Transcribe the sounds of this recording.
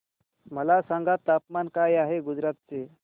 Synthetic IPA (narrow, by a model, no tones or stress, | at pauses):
məlasãŋɡat̪ːapmankajaɦeɡud͡zɾat̪̚t͡se